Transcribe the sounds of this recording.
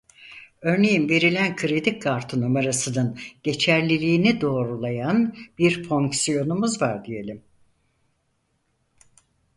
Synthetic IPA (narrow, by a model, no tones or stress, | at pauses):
ø̞ɾne̞jinve̞ɾilʲænkʰɯɾed̪ikkʰːaɾt̪ʰɯnomaɾasɯnɯnɟ̥e̞t͡ʃʰæɾlʲilʲiːnid̪o̞ːɾulˠajanbiɾfo̞ŋksijo̞numuzvaɾd̪ije̞lʲim